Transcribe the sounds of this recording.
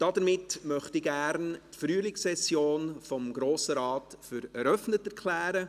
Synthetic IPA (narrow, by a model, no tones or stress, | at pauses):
d̥ɑdəɾmɪtmœχtɪɡæɾntfɾyːəlɪksɛsjoːnfɔmɡɾoːsəɾɑːtfʏɾɛɾœfnətɛɾkʰlæːɾə